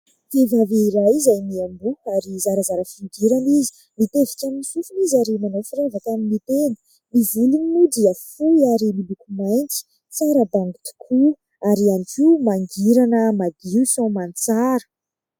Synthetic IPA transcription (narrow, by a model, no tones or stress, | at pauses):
t̪evaveiɾajzajmiambuaɾizaɾəzaɾəfiuɡiɾanizi̥ | mit̪evikʲamiisufunizaɾimanowfiɾevakamimit̪en | mivulininudiəfuiaɾimilukumajnt͡si̥ | t͡saɾəbaŋɡit̪u̥kʰu | aɾianikimaŋɡiɾanəmad̪iusõmant͡saɾə